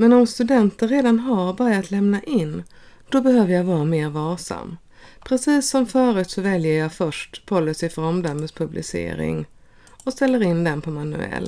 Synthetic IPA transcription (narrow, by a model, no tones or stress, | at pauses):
mɛnɔmst̪ɵd̪ɛnt̪əɾeːd̪anɦaɾbœɾat̪lɛmnaʔɪnːd̪̥ɔbɛhøːvəɾjavɑːɾameːɾvɑːʂa̰mː | pʰɾɛsiːsːɔmfœːɾʉt̪sɔvɛljəɾjɑfœʂʈpʰɔlːɪsɪfɾɔmd̪œmːəspʰɵblɪ̰sḛːɾɪ̰ŋ | ɔst̪ɛlːəɾɪnd̪ɛnpʰɔmanɵ̰ɛ̰l